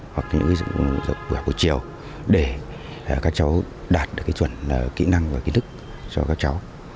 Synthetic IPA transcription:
hwa˨˩k̚ɲɨ̰˧˥ŋka˨˦˧zə̰˨˩k͡p̚ɓu˧˩˨ko˨˧˩t͡ɕi˨˩əw | ɗe˧˩˨ | kaː˦˥k̚t͡ɕa˨˦w | ɗaː˨˩t̚ɗɨ˨˩əkaː˨˦jt͡ɕwə˧˩nː˨˩kḭ˧˥na˧ŋvaː˨˩ki˨˦tʰɨ˦˥k̚ | t͡ɕɔ̰˧kaː˦˥k̚t͡ɕa˨˦w

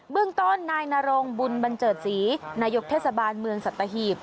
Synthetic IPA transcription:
bɯ˥˩əŋt̪o˥˩nːaː˧jnaː˧ɾo˧ŋbu˧nba˧nt͡ɕɤː˨˩t̪̚siː˩˦naː˧jo˦˥k̚t̪ʰeː˥˩t̪sa˧baː˧nmɯ˧əŋsa˨˩t̪ːa˧ɦiː˨˩p̚

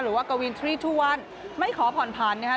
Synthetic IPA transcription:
ɾɯː˩˦waː˥˩ka˧wi˧nt̪ʰɾiː˥˩t̪ʰuː˥˩k̚wa˧˥˩n | ma˥˩jkʰɔː˩˦pʰɔː˨˩npʰaː˨˩nːa˥˩kʰa˦˥

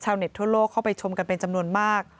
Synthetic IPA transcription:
t͡ɕʰaː˧wne˨˩t̪ʰːu˥˩ɐloː˥˩kʰːa˥˩wpa˧jt͡ɕʰo˧mka˧npe˧nt͡ɕa˧mnu˧ənmaː˥˩k̚

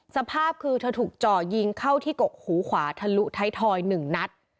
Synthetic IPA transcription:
sa˧pʰaː˥˩p̚kʰɯː˧t̪ʰa˧t̪ʰuː˨˩k̚t͡ɕɔː˨˩ji˧ŋkʰa˥˩wt̪ʰiː˥˩ko˨˩k̚huː˩˦kʰwaː˩˦t̪ʰa˧lu˦˥t̪ʰa˦˥jt̪ʰɔː˧jnɯ˨˩ŋna˦˥t̪̚

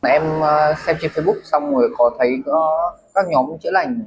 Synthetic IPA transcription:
ʔɛ˧mː˧sɛ˧mt͡ɕi˧fi˧ɓʊ˦˥k̚sa˧wŋ͡mŋo˨˩jkɔ˨˦t̪ʰə˨˦jkaː˦˥k̚ɲɔ˨˦mt͡ɕə˨˧˥la˨˩jŋ̟

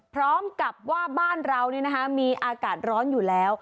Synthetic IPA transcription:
pʰɾɔː˦˥mka˨˩p̚waː˥˩baː˥˩nɾa˧wni˦˥˩n˦˥kʰa˦˥miː˧ʔaː˧kaː˨˩t̪̚ɾɔː˦˥njuː˨˩lɛː˦˥w

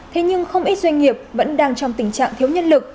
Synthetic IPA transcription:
t̪ʰe˨˦ɲɨ˧ŋxə˧wŋ͡mʔi˦˥t̚zwa˧jŋ̟ŋi˨˩əp̚və̰˧˥nɗaː˧ŋt͡ɕɔ˧wŋ͡mt̪ï˧˩ŋ̟t͡ɕa̰ː˧˨ŋt̪ʰi˨˦əwɲə̰˧˥nlɨ˨˩k̚

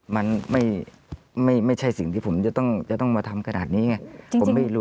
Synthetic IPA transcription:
ma˧nma˥˩j | ma˥˩jma˥˩jt͡ɕʰa˥˩jsi˨˩ŋt̪ʰiː˥˩pʰmt͡ɕa˨˧˩t̪ɔ˥˩ŋt͡ɕa˨˩ʔt̪ɔ˥˩ŋmaː˧t̪ʰa˧mkʰa˧nʔaː˨˩t̪̚niː˦˥ŋa˧˥˩o˩˦ma˥˩jɾuː˦˥

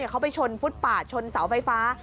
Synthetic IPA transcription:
i˥˩kʰa˦˥wpa˧jt͡ɕʰo˧nfu˦˥t̪̚paː˨˩t̪̚t͡ɕʰo˧nsa˩˦wfa˧jfaː˦˥

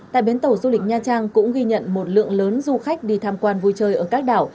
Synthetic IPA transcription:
t̪a̰ː˧˨jɓe˨˦nt̪ə˧˩wzu˧lï˨˩k̟̚ɲaː˧t͡ɕaː˧ŋkʊ̰˧˥ŋ͡mɣi˧ɲə̰˧˨nmo˨˩t̚lɨ̰˧˨əŋləː˨˦nzu˧xa˦˥jk̟̚ɗi˧˩t̪ʰaː˧mkwaː˧nvu˧jt͡ɕəː˧˩jʔəː˧˩kaː˦˥k̚ɗaː˧˩w

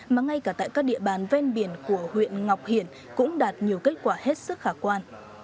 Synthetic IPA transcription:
maː˨˩ŋa˧jkaː˧˩t̪a̰ː˧˨jkaː˦˥k̚ɗḭ˧˨əɓaː˨˩nvɛ˧nɓi˧˩ənku˧˩əhwḭ˧˨ənŋa˨˩wk͡p̚hi˨˧˩ən | kʊ̰˧˥ŋ͡mɗaː˨˩t̚ɲi˨˩əwke˦˥t̚kwaː˧˩he˦˥t̚sɨ˦˥k̚xaː˧˩kwaː˧n

